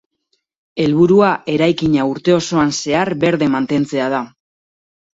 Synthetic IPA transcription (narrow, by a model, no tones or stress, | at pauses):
e̞lβuɾuaʔe̞ɾajkiɲauɾt̪e̞o̞so̞anse̞aɾβe̞ɾðe̞mant̪e̞nt͡se̞að̞a